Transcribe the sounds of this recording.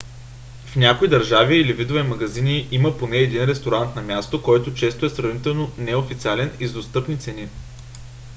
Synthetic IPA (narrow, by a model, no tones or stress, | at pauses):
fnʲakoid̪ɐɾʒaviilivid̪ovɛmɐɡɐziniʔiməponɛːd̪inɾɛst̪oɾant̪nɐmʲjast̪okɔjt̪ot͡ʃɛst̪oɛsɾɐvnit̪ɛlˠnonɛofit̪sʲialɛnizd̪ost̪ɤpnit̪sɛni